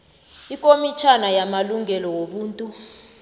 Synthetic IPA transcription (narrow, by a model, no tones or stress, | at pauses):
ikʼomit͡ʃʰanajamaluŋɛlɔwoɓuːntʼu